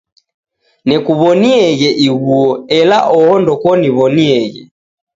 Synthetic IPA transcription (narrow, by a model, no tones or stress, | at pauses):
nɛkuβɔniɛɣɛʔiɣuɔɛlaʔɔhɔndɔkɔniβɔniɛɣɛ̰